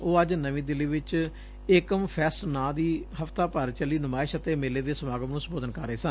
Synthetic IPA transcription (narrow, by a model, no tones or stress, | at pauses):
oːəd͡ʒnəʋĩːd̪ɪliːʋɪt͡ʃ | eːkəmpʰɛːsʈnãːd̪iːhəft̪aːpəɾt͡ʃəliːnʊmaːɪʃət̪eːmeːleːd̪eːsəmaːɡəmnũːsəmboːd̪ənkəɾəeːsən